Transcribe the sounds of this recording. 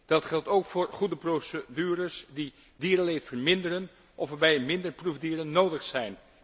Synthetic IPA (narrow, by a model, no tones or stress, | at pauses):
d̥ɑtχɛlˠtowkfʊːɹχudəprosədyːrəsdi | diːrəlejtfəɹmɪndəɾən | ʔɔfəbɛjmɪndəɹpruvdiːɾənːowdəχsɛjn